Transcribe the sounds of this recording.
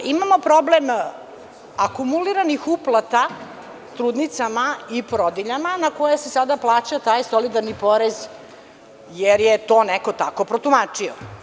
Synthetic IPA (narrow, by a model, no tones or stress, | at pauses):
imamo̞pɾoblem | akumuliɾanixuplˠat̪a | t̪ɾuːd̪nit̪samaipoɾod̪iʎamanakojasesad̪aplˠaːt͡ɕat̪aːjsolid̪aɾnipo̞ɾez | jeɾjet̪o̞ːneko̞t̪ako̞pɾot̪umat͡ʂio̰